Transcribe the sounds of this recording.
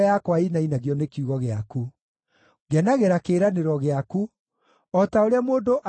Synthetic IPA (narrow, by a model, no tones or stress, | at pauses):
jakwainainaɣjɔnekjuɣɔɣeaku | ɡɛnaɣeɾakeːɾaneɾɔɣeaku | ɔtaoɾeamoːndoʔa